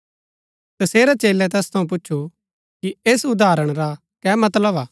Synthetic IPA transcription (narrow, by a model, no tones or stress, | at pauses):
t̪ɐseːɾat͡ʃeːlːɛt̪̬ɛːst̪ʰɐũp̬ʊtːʃʰu | kieːsʊd̪ʱaːɾəɽ̃ɾa | kɛːmɐt̪ləbaː